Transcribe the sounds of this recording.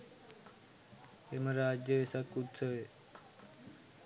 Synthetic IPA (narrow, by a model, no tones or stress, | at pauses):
emãɾad͡ʒjəʋesakud̪səʋe